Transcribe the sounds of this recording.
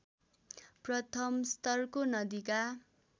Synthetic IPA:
prʌt̪ʰʌmst̪ʌrkonʌd̪ika

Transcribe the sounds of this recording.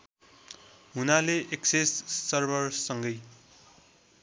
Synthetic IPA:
ɦunaleʔeksessʌrbʌrsʌŋɡʌj

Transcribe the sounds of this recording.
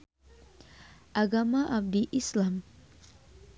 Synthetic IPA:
ʔaɡamaʔab̚diʔislam

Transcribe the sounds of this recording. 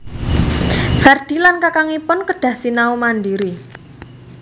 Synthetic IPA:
fɛrd̪̥i̤lankakaŋipʊnkəɖ̥ä̤hsinaumandiɾi

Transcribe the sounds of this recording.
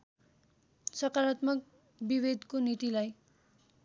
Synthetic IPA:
sʌkaɾʌt̪mʌk̚ | biβed̪konit̪ilaj

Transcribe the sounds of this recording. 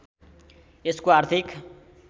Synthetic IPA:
eskoart̪ʰik

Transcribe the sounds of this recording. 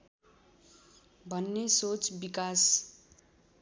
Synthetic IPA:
bʱʌnːesot͡sbikas

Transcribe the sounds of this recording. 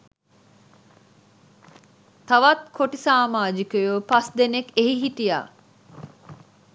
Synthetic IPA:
t̪aʋat̪kʰoʈisaːmaːd͡ʒikəjopasd̪enekeɦiɦit̪ija̰ː

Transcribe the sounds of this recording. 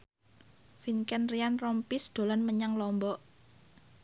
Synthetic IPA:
fiŋkɛnrianrɔmpisd̪̥o̤lanməɲaŋlɔmbɔʔ

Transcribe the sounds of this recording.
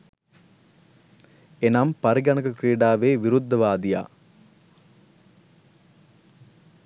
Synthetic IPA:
enampɐɾiɡɐnɐkəkriːɖaːʋeːʋiɾud̪ʱːɐʋaːd̪ija̰ː

